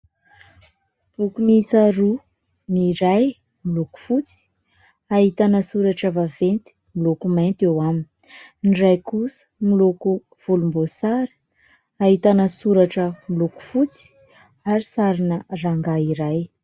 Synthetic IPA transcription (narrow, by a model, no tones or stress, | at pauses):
b̥ukunisaɾu | niɾaj | miluku̥fut͡si̥ | aɦit̪anəsuɾaʈ͡ʂəvavent̪i̥ | milukumant̪ewamin | nɖ͡ʐajkusə̥miluku | v̥ulumbosaɾi̥ | aɦit̪anəsuɾaʈ͡ʂəmiluku̥fut͡si̥ | aɾisaɾinəraŋɡaiɾaj